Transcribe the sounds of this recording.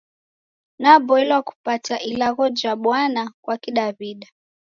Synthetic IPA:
nabɔilwaku̥pataʔilaɣɔd͡ʒaɓwanakwakiɗaβiɗa

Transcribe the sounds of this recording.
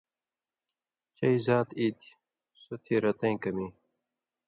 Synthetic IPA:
t͡ɕɐizaːt̪it̪ | sot̪ʰiːɾɐt̪ɐ̃ĩkɐmĩː

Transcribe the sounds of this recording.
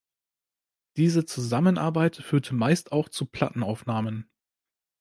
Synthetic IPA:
d̥iːzət͡suzamənʔa̰ɐbaɪtfyːɐtʰəmaɪstaʊxt͡supʰl̥a̰tn̩aʊfnaːmən

